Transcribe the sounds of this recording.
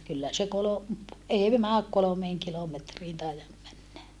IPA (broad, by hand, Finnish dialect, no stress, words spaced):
kylːæ se kolo ei mæːk kolomeːŋ kilometriːn tɑijɑm mænːæ